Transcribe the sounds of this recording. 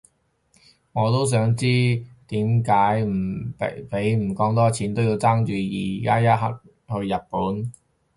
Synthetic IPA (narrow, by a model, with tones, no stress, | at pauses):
ŋɔː˨˧t̪o˥ws̬œː˨˥ŋt͡siː˥t̪iː˨˥mkaː˨˥jm̩̰˨˩˨pe˨˥jm̩˨˩kɔː˨˧˥ŋt̪ɔː˥t͡sʰiː˨˥nt̪o˥wji˧wt͡saː˥ŋt͡ʃyː˨˧jḭː˨˩kaː˥jɐ˥t̚ɦɐ̰˨˥t̚ | hɵ˧ɥjɐ˨t̚puː˨˥n